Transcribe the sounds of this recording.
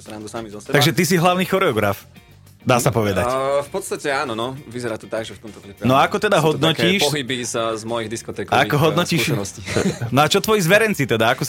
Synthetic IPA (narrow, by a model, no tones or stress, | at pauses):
sɾand̪usamizɔst̪aɡʒɛt̪is̬iɦlaʊniːxɔɾɛɔɡɾa̰f | d̪aːsapɔʋɛd̪acfpɔt̪st̪acɛaːnɔnɔʋizɛɾaːt̪ɔt̪aɡʒɛft̪ɔmt̪ɔpɾinɔaakɔt̪ɛd̪aɦɔd̪nɔkciːʃɔɦibizzmɔjiɣd̪iskɔt̪ɛːkɔakɔɦɔd̪nɔciːʃɛnɔscinɔat͡ʃɔt̪ʋɔjizʋɛɾɛnt͡sit̪ɛd̪aakɔs